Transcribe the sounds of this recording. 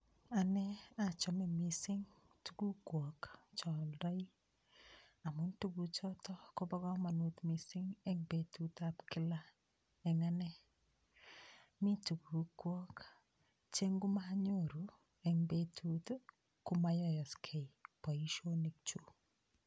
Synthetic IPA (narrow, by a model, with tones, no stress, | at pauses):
a˨nɛ˦a˦t͡ʃɔmɛ˨misɪ˦ŋ | tuɡu˦kwɔ˨kt͡ʃɔ˨ldɔ˦i˦ | a˨mʊ˦ntu˦ɡu˨t͡ʃɔtɔ˦kɔ˦bɔ˦ɡɔ˦ma˨no˦t̪mi˨sɪ˦ŋɛ˦ŋbe˨tu˦tabkɪ˦la˦ | ɛ˨ŋa˦nɛ˦ | mi˦tu˨ɡu˨kwɔ˦k | t͡ʃe˦ŋɡu˦maɲoɾu˨ | ɛ˨ŋbe˦tʰu˦t | ku˦ma˦jɔ˦jɔ˨skʰe˨ipɔ˨i˦ʃo˦ne˨k̚t͡ʃu˨